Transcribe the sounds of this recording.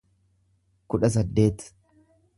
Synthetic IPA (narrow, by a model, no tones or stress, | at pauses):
kʊᶑɐs̬ɐd̪ːe̞ːt̪